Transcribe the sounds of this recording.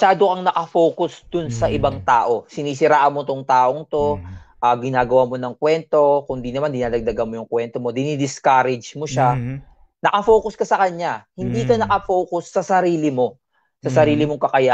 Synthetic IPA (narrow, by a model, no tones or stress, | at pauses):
mɐʃaːd̪okɐŋnɐkɐfoːkʊsd̪ʊnsɐʔɪbaŋt̪aːʔo̞sɪniːsɪɾaːʔɐnmot̪oŋt̪aːʔoŋt̪o̞ʔaɡɪnaːɡɐwaːmo̞nɐŋkwɛnt̪o̞kʊnd̪inɐmand̪ɪnaːd̪ɐɡ̚d̪ɐɡɐnmo̞jʊŋkwɛnt̪omo̞d̪ɪnid̪ɪskaːɾɛd͡ʒmoʃa | nɐkɐfoːkʊskɐsɐkɐɲahɪnd̪iːkɐnɐkɐfoːkʊsːɐsɐɾiːlɪmo̞ | sɐsɐɾiːlɪmoŋkɐkɐja